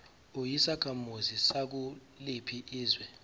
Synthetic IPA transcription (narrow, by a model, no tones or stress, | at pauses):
ujisakʰamuzisak̬u | lipʰiʔiːzwɛ